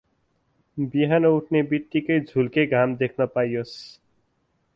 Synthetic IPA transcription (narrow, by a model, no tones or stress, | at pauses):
biɦanʌuʈʰnebit̪ːikʌjd͡zʱulkeɡʱamd̪ekʰnʌpajos